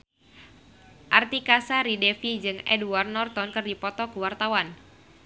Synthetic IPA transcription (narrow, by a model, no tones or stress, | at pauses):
ʔart̪ikasaɾidɛfid͡ʒɨŋɛ̰duar̚nɔrt̪ɔnkɨrdipɔt̪ɔkuwart̪awan